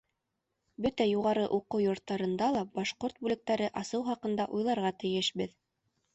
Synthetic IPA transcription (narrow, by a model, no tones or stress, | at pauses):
bɵt̪æjuʁɑɾɤʔuqɤwjŏɾt̪ːɑɾɤ̆nd̪ɑlˠɑbɑʃqoɾt̪̚bʉlɘ̆k̚t̪æɾɘʔɑsɤwχɑqɤ̆nd̪ɑʔujlˠɑɾʁɑt̪ɘ̆jɘʃbɘð